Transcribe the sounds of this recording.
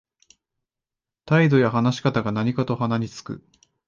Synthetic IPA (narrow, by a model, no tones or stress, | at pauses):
t̪aid̪o̞jaɦanaɕi̥kat̪aɡanaɲ̟ikat̪o̞ɦanaɲ̟ʲit͡sɨ̥kɯ̟̰